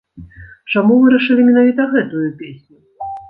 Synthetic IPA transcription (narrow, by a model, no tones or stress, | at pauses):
t͡ʂamuvɨɾɐʂɨlʲimʲinavʲit̪ɐɣɛt̪ujupʲesʲnʲu